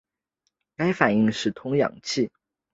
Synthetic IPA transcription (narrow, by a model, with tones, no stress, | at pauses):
ka˥ɪfa˨˩ni˥˧ŋʂɻ̩˥˩t̪ʰʊ˥ŋjɑ̰˨˩ŋt͡ɕʰi˥˩